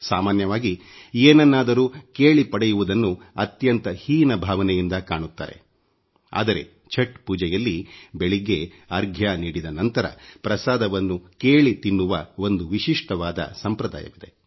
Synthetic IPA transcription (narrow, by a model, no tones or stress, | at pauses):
saːmaːnjɐʋaːɡi | eːnɐnːaːd̪ɐɾuːkeːɭipɐɽɛjuʋud̪ɐnːu | ɐt̪jɐnt̪ɐhiːnɐbʱaːʋɐnɛjind̪ɐkaːɳut̪ːa̰ːɾe̞̰ | a̰ːd̪ɐɾe̞̰ | t͡ʃʰɐʈpuːd͡ʒɛjɐlːibeɭiɡe̞ | ɐɾɡʱjaniːɽid̪ɐnɐnt̪ɐɾɐ̰pɾɐsaːd̪ɐʋɐnːukeːɭit̪inːuʋɐo̞nd̪uʋiʃiʂʈɐʋaːd̪ɐ̰sɐmpɾɐd̪a̰ːjɐ̰ʋid̪e̞̰